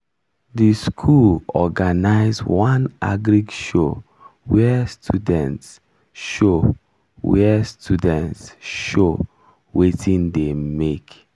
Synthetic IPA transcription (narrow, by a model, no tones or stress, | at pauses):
diskʰulɔɡanaɪzwãna̰ɡɾiɡʃo | wɛstʰudɛ̃nts | ʃo | wɛstʰudɛ̃ntsʃo | wetʰĩndemek